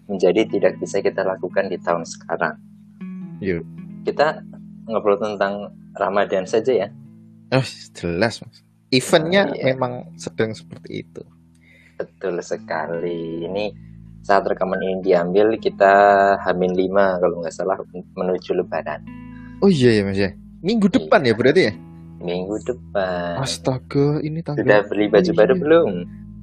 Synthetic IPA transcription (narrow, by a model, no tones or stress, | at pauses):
məɲd͡ʒadit̪idak̚bisakit̪alakukandit̪aʊnsə̥kaɾa̰ŋ | jukit̪aŋəbəlut̪ənt̪aŋ | ra̰madansad͡ʒaja | ohə̥d͡ʒəlasmas | ifənɲamemaŋsəd̥əŋsə̥pərt̪ḭḭt̪u | bət̪ʊlsəkaliːnisaat̪ərkamaninidiambɪlkit̪ahamɪnlimakaloŋɡaʔsalahmənud͡ʒulub̥ana̰n | oijajamasa | miŋɡudəpanjabəɾat̪ija | miŋɡudəp̚anast̪aɡ̥ainit̪audahbəlibad͡ʒubadobəlʊm